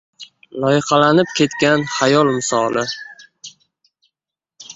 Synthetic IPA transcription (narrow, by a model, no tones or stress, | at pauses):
lˠɒjɪqɑlanɪp̚kʲʰe̞t̪kʲanhajɒlˠmɪsɒlˠɪ